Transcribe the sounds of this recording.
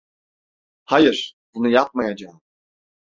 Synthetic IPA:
hajɯɾ̥b̥unujap̚majad͡ʒam

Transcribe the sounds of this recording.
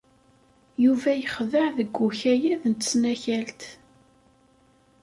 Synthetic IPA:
juvæjəχðəʕðəɡːuçæjæðnt̪ːə̥snæçælt̪

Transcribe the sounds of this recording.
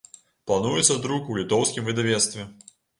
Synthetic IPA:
plˠanujɛt̪sːɐd̪ɾukulʲit̪ɔwsʲkʲimvɨd̪avʲɛt̪st̪vʲɛ

